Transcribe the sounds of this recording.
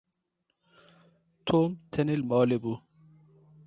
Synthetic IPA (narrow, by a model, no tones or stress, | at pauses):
t̪ʰoːmt̪ʰɐnilmɔːlebu